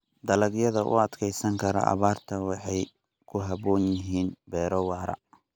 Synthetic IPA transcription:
d̪ɐlɐɡjɐðɐʔʊ̰ɐd̪kʰɛjsɐŋkʰɐɾɔ̰ʔɐ̰βaːrt̪ʰɐwɑħɑj | kʰʊɦɐβɔːnjɪɦiːnbɛːɾɔwɑːɾɐ̰

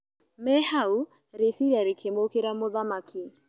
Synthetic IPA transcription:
mɛhau | ɾesiɾaɾekʰemokeɾamoðamaki

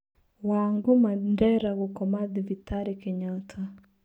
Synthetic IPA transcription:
waŋɡumandɛɾaɣokɔmaðivitaɾikeɲɔtʰa

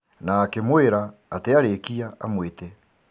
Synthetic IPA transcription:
naːkemweɾaːteaɾekiaamwetɛ

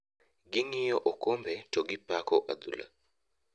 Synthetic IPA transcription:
ɡɪŋɪjɔʔokombɛtoɡɪpakɔʔad̪ṵla̰

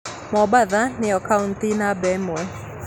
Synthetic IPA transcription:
mɔbaðanɪɔkauntinabɛmɔɛ

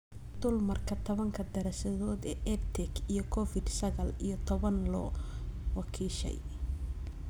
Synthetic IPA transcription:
d̪̥ʊlmɐrkʰɐt̪ʰɔβɐŋkʰɐd̪ɛɾɐsɐðɔːd̪ɛːʔɛt̪ʰɛɡijɞkʰɔfɪd̪sɐɣɐlijɞt̪ʰɔβɐnlɔ̰wɑkʰiːʃɛ̰j

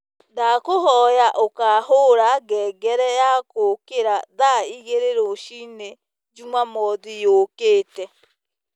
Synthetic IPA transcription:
dakohɔjaʔokaːɦoɾaɡɛːɡɛɾɛjakokeɾaðaiɣeɾeɾoʃine | d͡ʒumwamɔðijokeːtɛ

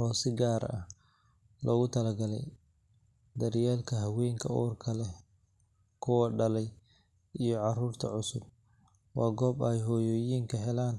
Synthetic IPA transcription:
ɔːsɪɡaːɾɐ̰h | lʔɔːɣʊt̪ʰɐlɐɡɐlɛ̰j | d̪ɐɾjaːlkʰɐɦɐwɛːŋkʰɐɔːrkʰɐlɛ | kʰʊwɐɖɐlɛj | ijɔʕɑruːrt̪ʰɐ̰ʕʊsʊb̚ | wɑːɡɔːbɛjɦɔːjɔːjiːŋkʰɐɦɛlaːn

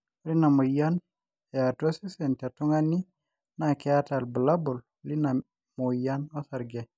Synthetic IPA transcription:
ɾinamojan | ɛatosisɛntatuŋani | nakɛatalbulabul | lina | mojanosaɾɡɛ

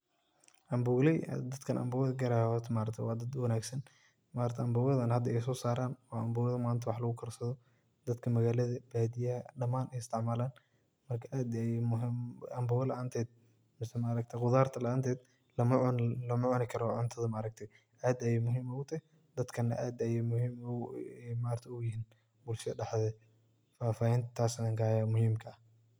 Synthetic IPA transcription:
ʔɐmbʊːlɛj̰d̪ɐd̪kʰɐnʔɐ̰mbʊwɐðɐɡɐɾahɔt̪ʰmaːɾɐkt̪ʰwɑːd̪ɐd̪wɐnaːɡsɐn | maːɾɐkt̪ʰɛɐmbʊwɐðɐnhɐd̪ɐɛjsɔːsaːɾaːnɔːʔɐmbʊːɐðɐmaːnt̪ʰɐwɑħlɐɣʊkʰɐrsɐðɔ | d̪ɐd̪kʰɐmɐɣaːlɐðɐb̥aːd̪ɪjɐhɐɖɐmaːnʔɛjɪst̪ʰɪʕmaːlaːn | mɐrkʰɐʔaːd̪ɛjmʊɦɪmɐmbʊwɐlɐʔant̪ʰɛːd̪̚ | mɪsɛmɐːɾɐk̚t̪ʰɛqʊðaːrt̪ʰɐlɐʔaːnt̪ʰɛːd̪ | lɐmɐlɐmɐʕʊnɪkʰɐɾɔʕʊnt̪ʰɐðɐmɐːɾɐk̚t̪ʰɛ | ʔaːd̪ɐjɛjmʊɦiːmʊɣʊt̪ʰɐhɪ | d̪ɐd̪kʰɐnːɐʔaːd̪ɐjɛjmʊhiːmʊɛmaːɾt̪ʰɐʊjɪɦiːn | bʊlʃɖɑħðɛ | faːfaːhɛːnt̪ʰɐt̪ʰaːsnɐŋɡaːjamʊhiːmkʰɐɐh

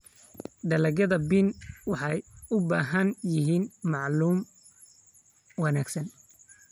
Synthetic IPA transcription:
ɖ̪ɐlɐɣjɐðɐbinwɑħɑjʊbaːɦɐnjɪɦiːnmɑʕluːm | wɑnaːɡsɐn

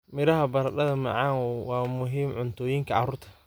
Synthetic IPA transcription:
mɪɾɐɦɐbɐɾɐɗɐðɐmɐ̰ʕɑːŋwɑːmʊɦiːmʕʊnt̪ʰɔːjiŋkʰɐʕɑ̰ruːrt̪ʰɐ̥

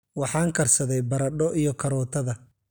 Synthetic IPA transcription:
wɑħɑːŋkʰɐrsɐðɛjbɐɾɐɖɔʔijɔkʰɐɾɔːt̪ʰɐðɐ

